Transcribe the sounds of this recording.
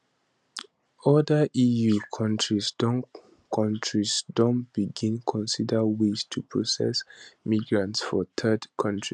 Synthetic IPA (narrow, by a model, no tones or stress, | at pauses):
ɔdəʔijukʰɔ̃ntɹisdɔ̃n | kʰɔ̃ntʰɹisdɔ̃ntb̥iɡĩnkʰɔ̃nsidəwistʰupʰɹɔsɛ̰smiɡɹãntsfɔt̪ʰɛdkʰʌ̃ntɹi